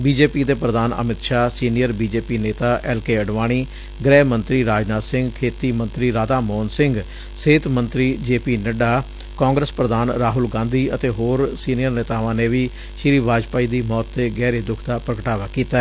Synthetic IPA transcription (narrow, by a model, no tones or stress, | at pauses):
biːd͡ʒeːpiːd̪eːpɾəd̪aːnə̰mɪt̪ʃaːsiːnɪjəɾbiːd͡ʒeːpiːneːt̪aːʔɛːlkeːəɖʋaːɽ̃iː | ɡɾɛːmənt̪ɾiːɾaːd͡ʒnaːsɪ̃ŋɡkʰeːt̪iːmənt̪ɾiːɾaːd̪aːmɔːnsɪŋɡ | seːt̪mənt̪ɾiːd͡ʒeːpiːnəɖaː | kɔ̃ːŋɡɾəspɾəd̪aːnɾaːɦʊlɡãːnd̪iːət̪eːɦoːɾsiːnɪjəɾneːt̪aːʋãːneːʋiː | ʃɪɾiːʋaːd͡ʒpaːiːd̪iːmɔːt̪ːeːɡɛːɾeːd̪ʊkʰd̪aːpɾəkəʈaːʋaːkiːt̪aɛ